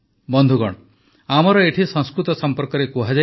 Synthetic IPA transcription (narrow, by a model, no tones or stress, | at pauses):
bɔnd̪ʱuɡɔɽɔ | amɔɾɔeʈʰisɔŋskɾut̪ɔsɔmpɔɾkɔɾekuɦad͡ʒa